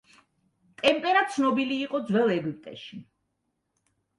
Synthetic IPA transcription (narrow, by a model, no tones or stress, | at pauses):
t̪ʼɛmpʼɛɾat̪sʰnɔbiliːqʼɔd̪zwɛlˠɛɡip̚ʼt̪ʼɛ̰ʃi